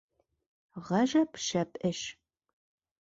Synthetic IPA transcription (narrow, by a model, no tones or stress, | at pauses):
ʁɐʒɐpʃɐpʼɨʃ